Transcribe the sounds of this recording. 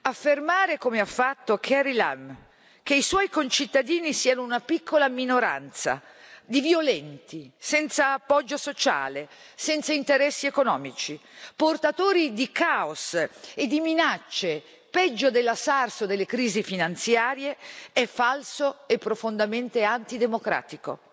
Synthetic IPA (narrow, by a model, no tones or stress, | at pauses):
afːermaːɾekomeafːat̪ːokʰɛɾila̰m | k̟eiswɔːjkont͡ʃit̪ːad̪iːnisiːanounapikʰːolaminoɾa̰nt̪sa̰ | d̪ivjolɛnt̪isɛnt̪saːpːɔd͡ʒːosot͡ʃa̰ːle | sɛnt̪saint̪eɾɛsːiekonɔːmit͡ʃiport̪at̪oːɾid̪ikaːosed̪ːiminat͡ʃːe | pɛd͡ʒːod̪elːasarsod̪elːekɾiːzifinant̪sjaːɾjeɛfːalsoepːɾofond̪ament̪eant̪id̪emokɾa̰ːt̪iko̰